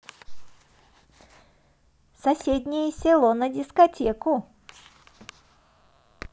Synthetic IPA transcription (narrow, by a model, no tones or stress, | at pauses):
sɐsʲed̪ʲnʲɪjəsʲɪlˠɔnədʲɪskɐtʲekʊ